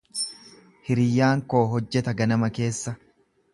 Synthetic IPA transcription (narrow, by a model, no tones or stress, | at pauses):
hɪɾɪjːaːŋko̞ːɦɔd͡ʒːɛt̪ɐɡɐnɐmɐke̞ːsːɐ